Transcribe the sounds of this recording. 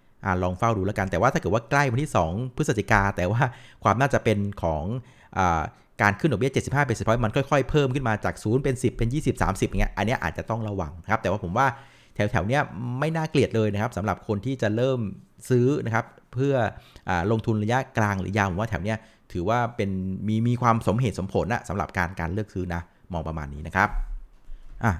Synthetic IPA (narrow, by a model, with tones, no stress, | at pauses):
ʔa˧˨˩lɔː˧ŋfa˥˩wduː˧laː˦˥ka˧nt̪ɛː˨˩waː˥t̪ʰaː˥˩ɤː˨˩t̚waː˥˩kla˥˩jwa˧t̪ʰiː˥˩sɔː˩˦ŋpʰɯ˦˥sa˨˩t̪i˧˩kaː˧t̪ɛː˨˩waː˥˩kʰwaː˧mnaː˥˩t͡ɕa˨˩pe˧nkʰɔː˩˦ŋ | ʔaː˨˩ | kaː˧nkʰɯ˥˩ndɔ˨˩k̚i˥˩t͡ɕe˨˩si˨˩phaː˥˩pe˧˩si˨˩pʰɔ˦˥ma˧nkʰɔ˥˩jkʰɔ˥˩jpʰɤː˥˩mkʰɯ˥˩nmaː˧t͡ɕaː˨˩k̚suː˩˦npe˧nsi˨˩pːe˧njiː˥˩si˨˩p̚sa̰ː˩˦msi˨˩pja˨ŋi˦˥ʔa̰˧nːi˦˥ɐʔaː˨˩t̪̚t͡ɕa˨˩t̪ɔ˥˩ŋɾa˧wa˧ŋna˦˥kʰp̪̚ɛː˨˩waː˥˩po˩˦waː˥˩ | t̪ʰɛ˨˩˦wt̪ʰɛ˩˦wni˦˥˩ɐma˥˩jnaː˥˩kli˨˩ət̪̚lɤː˧jna˦˥kʰpsa˩˦mɾa̰˨˩p̚kʰo˧nt̪ʰiː˥˩t͡ɕa˨˩ɾɤː˥˩msɯː˦˥na˦˥kʰa˦˥p̚ʰɯ˥˩ɐʔaː˨˩ɾo˧ŋt̪ʰu˧nɾa˧ja˦˥klaː˧ŋɾɯ̰ː˩˦jaː˧˩pʰwːt̪ʰɛ˩˦wni˦˥˩ɐ | t̪ʰɯː˩˦waː˥˩pe˧nmiː˧miː˧kʰwaː˧mso˩˦mɦeː˨˩t̪̚so˩˦mpʰo˩˦nʔa̰˨˩sa˩˦mɾa̰˨˩p̚kaː˧nkaː˧nlɯ˥˩ək̚sɯː˦˥na˦˥ | mɔː˧ŋpɾa˧ma̰ː˧nːiː˦˥na˦˥kʰɾa˦˥p̚ | ʔaː˨˩